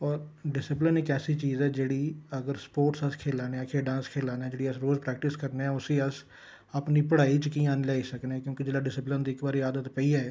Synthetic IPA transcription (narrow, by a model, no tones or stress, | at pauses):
ɔːɾɖɪsɪplənɪkɛːsiːt͡ʃiːzɛːd͡ʒeːɽiːəɡəɾspoːɾʈsəskʰeːlaːneːãːkʰeːɖãːskʰeːlaːnɛːd͡ʒeːɽiːəsɾoːzpɾɛːkʈɪskəɾneːɛːʊsĩːəs | aːpniːpəɽaːiːt͡ʃkĩːaːnːlɛːiːsəkneɛːkjõːkɪd͡ʒeːɽaːɖɪsɪplənd̪iːkbaːɾiːaːd̪ət̪pəiːɛː